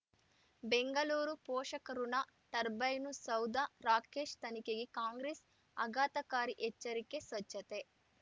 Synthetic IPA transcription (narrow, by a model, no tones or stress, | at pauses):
beŋɡɐluːɾupɔːʃɐkɐɾunɐ | ʈ̪ɐɾbɐjnusɐwd̪ɐɾaːkeːʃt̪ɐnikeɡekaːŋɡɾeːs | ɐɡaːt̪ɐkaːɾiʔet͡ʃːɐɾikːe̞sʋɐt͡ʃːɐt̪e